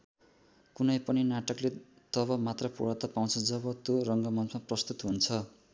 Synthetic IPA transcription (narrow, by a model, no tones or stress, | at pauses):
kunʌjpʌninaʈʌkle | t̪ʌβʌmat̪rʌpṵɽat̪ʌpaw̃t͡sʰʌd͡zʌbʌt̪jorʌŋɡʌmʌnt͡smaprʌst̪ut̪ɦunt͡sʰʌ